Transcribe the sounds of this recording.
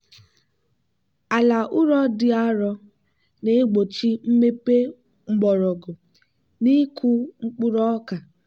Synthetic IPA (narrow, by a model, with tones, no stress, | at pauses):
a˨la˨ʔʊ˦ɾɔ˦dɪ˦a˦ɾɔ˦ | ne˨˦ɡ͡bo˨t͡ʃi˦m̩˦me˦pe˦ | ŋ͡m̩˦ɡ͡bɔ˨ɾɔ˨ɡʊ˨ | ni˦ku˦ŋ͡m̩˦k͡pʊ˦ɾɔ˦ka˨